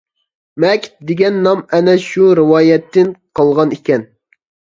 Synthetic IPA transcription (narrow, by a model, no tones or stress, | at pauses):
mɛkʲd̪eɡʲɛnːɑmɛnɛʃuɾɨwɑːjɛt̪ʰːɪnqʰɑlˠʁɑnikʲɛn